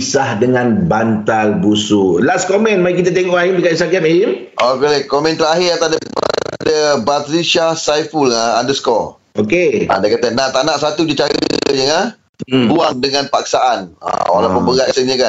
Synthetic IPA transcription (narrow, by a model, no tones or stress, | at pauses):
sahdəŋãnbant̪albusulaskomɛ̃nmaik̬it̪at̪ɛŋɔʔaimdikat̪st̪aɡameimʔokelɛkomɛ̃nt̪əɾaɦɪat̪adə̰dəbat̪ɾisahsajfulŋaandəskɔ | okeʔa̰dakat̪ənaʔt̪aʔnaʔsat̪udit͡ʃaɾə̰jəŋa | buaŋdəŋãnpak̚saʔana̰wa̰lapəmbəɡasəɲəkan